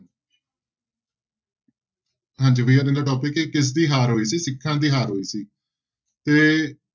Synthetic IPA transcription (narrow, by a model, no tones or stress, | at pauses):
ɦãːnd͡ʒiːʋiːaːɾd̪ẽːnd̪aːʈɔːpɪkekɪs̬d̪iːɦaːɾɦoːiːsiːsɪkʰːãːd̪iːɦaːɾɦoːiːsiː | t̪eː